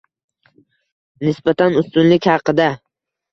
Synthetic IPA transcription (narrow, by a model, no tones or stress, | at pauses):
nɪsbat̪ʰanʊst̪ʊnlɪkʲhɑqɨd̪a